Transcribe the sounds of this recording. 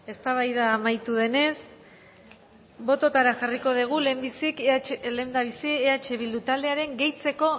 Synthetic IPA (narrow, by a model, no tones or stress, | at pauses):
e̞st̪aβajðaːmajt̪uð̞e̞ne̞s | bo̞t̪o̞t̪aɾaxariko̞ð̞iɣ̞ule̞mbisikle̞nd̪aβisieat͡ʃe̞β̞ild̪ut̪ald̪e̞aɾe̞ŋɡe̞jt͡se̞ko̞